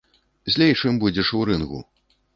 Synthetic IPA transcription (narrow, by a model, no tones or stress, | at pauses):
zʲlʲejt͡ʂɨmbud͡zʲɛʂuɾɨnɣṵ